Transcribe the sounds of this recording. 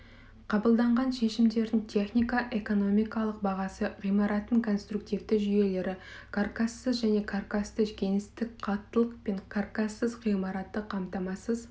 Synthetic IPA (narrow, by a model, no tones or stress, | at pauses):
qʰɑbəlˠd̪ɑɴʁɑnʃe̞ʃɪmd̪e̞ɾd̪ɪŋt̪ʲʰe̞χnijkaʔe̞ko̞no̞mijkɑlˠəq̚bɑʁɑsəʁijmɑɾɑt̪ːəŋkʰo̞nst̪ruk̚t̪ivd̪ɪʒʏje̞le̞ɾɪkʰarkasːəzʒæne̞kʰarkast̪əkʲʰe̞ŋɪst̪ɪk̚ʲqʰɑt̪ːəlˠəqpe̞ɴkʰarkasːəzʁijmɑɾɑt̪ːəqʰɑmt̪ɑmɑsəz